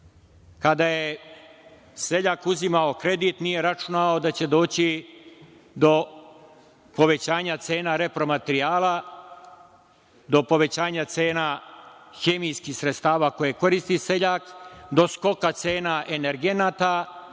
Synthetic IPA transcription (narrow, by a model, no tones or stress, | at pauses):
kad̪aje | se̞ʎakuzimaokɾe̞d̪it̪nije̞ɾat͡ʃunaod̪at͡ɕe̞d̪o̞ːt͡ɕi | d̪o̞ | po̞ʋe̞t͡ɕaːɲat̪se̞ːnaɾe̞pɾo̞mat̪ɾiaːla | d̪o̞po̞ʋe̞t͡ɕaːɲat̪se̞ːna | xemijskixsɾet̪st̪aːʋaːko̞jeko̞ɾist̪ise̞ʎakd̪o̞sko̞kat̪se̞ːnaʔe̞neɾɡe̞naːt̪a